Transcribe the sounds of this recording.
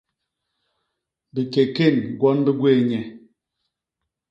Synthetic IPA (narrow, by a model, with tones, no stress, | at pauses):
bi˨ke˨ke˦˨nɡwɔ˦nbi˦ɡwe˦˨ɲɛ˨